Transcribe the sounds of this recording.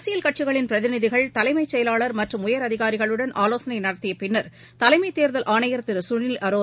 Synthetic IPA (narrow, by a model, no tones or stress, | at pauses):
sɪjɐlkɐʈ̚t͡ʃɪɣɐɭɪnpɪɾɐðɪnɪðɪɣɐɭt̪ɐlɐɪmɐɪt͡ʃːɛjɐlaːɭɐɾmɐʈrɯmʊjɐɾɐðɪɣaːɾɪɣɐɭɯɽɐnʔaːloːsɐnɐɪnɐɽɐt̪ːɪjɐpɪnːɐɾ | t̪ɐlɐɪmɐɪt̪eːɾðɐlʔaːɳɐjɐɾt̪ɪɾɯsʊnilɐɾoː